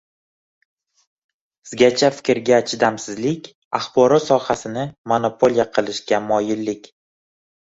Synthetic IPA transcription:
ɪzɡʲat͡ʃʰafɪ̥kʲɾɡʲaːt͡ʃʰɪd̪amsɪzlɪkʲ | aχbɒɾɒt̪sɒhasɪnɪmonopʰo̞lʲijaqʰɨlˠɪʃɡʲamɒjɪlːɪkʲ

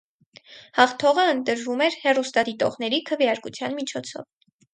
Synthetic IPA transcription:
hɑχt̪ʰɔʁəənt̪əɾvumɛɾhɛrust̪ɑd̪it̪ɔʁnɛɾikʰəvjɑɾkut͡sʰjɑnmit͡ʃʰɔt͡sʰɔ̰v

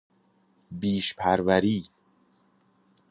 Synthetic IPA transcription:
biːʃpʰæɾvæɾiː

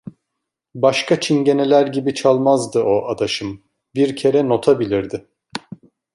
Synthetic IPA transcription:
baʃkʰat͡ʃʰinɟe̞ne̞lʲæɾɟibit͡ʃʰalˠmazd̪ɯo̞ʔad̪aʃɯm | biɾcʰe̞ɾɛno̞t̪ʰabilʲiɾd̪ɪ

